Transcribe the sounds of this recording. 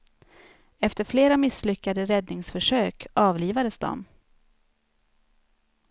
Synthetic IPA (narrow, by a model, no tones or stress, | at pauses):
ɛft̪əɾfleːɾamɪslʏkːad̪əɾɛd̪nɪŋsfœʂøːkɑːvliːvad̪əsd̪ɔ̰m